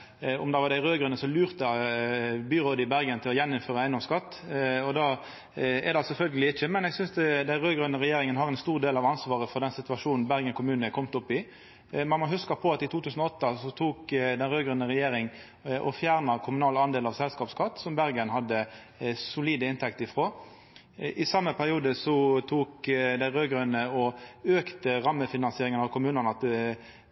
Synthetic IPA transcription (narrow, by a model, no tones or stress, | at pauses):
ɔ̰md̪ɑʋɑʁd̪æɪʁøːɡʁʉnəsɔlʉːʁt̪ə | byːʁoːd̪əɪbæʁɡənt̪ʰɪlɔjɛnːɪmføːʁəæɪnɔmskɑt̪ːɔd̪ɑː | ɛʁd̪ɑsɛlfœlɡəlɪɪçːəmɛnɛɡsʏnsd̪æɪʁøːɡʁʉnəʁɛjeːɾɪŋənhɑʁɛnst̪uːʁd̪eːlɑʋɑnsʋɑːʁəfɔʁd̪ɛnsɪt̪ʉʋɑʂuːnn̩bæʁɡənkʰʊmʉːnəkʰɔmt̪ʊpːɪ | mɛnmɑɦʉskəpʰɔɑt̪ɪt̪ʰuːʉːsən̩ɔɔt̪ːɑsɔt̪ʰuːkd̪ɛnʁøːɡʁœnəʁɛjeːɾɪŋ | ʔɔfjæːʁnɑkʰʊmʉnɑːlɑnd̪eːlɑʋsɛlskɑːpskʰɑt̪ːsɔmbæʁɡənhɑd̪ːə | sʊliːd̪əɪnt̪ʰɛk̚t̪ɪfʁoː | ʔɪsɑmːəpʰæʁɪuːd̪əsɔt̪ʰuːkd̪æɪʁøːɡɾœnəɔøːkt̪əʁɑmːəfɪnɑnsɪeːɾɪŋənɑʋkʰʊmʉːnənəɑt̪